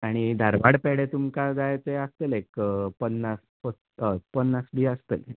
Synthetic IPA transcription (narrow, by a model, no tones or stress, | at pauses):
aɽ̃id̪ʱaɾʋaɽpeɽet̪umkad͡zajt͡s̪eəst̪elekpənːas | fə | əpənːasɖiəst̪ḛl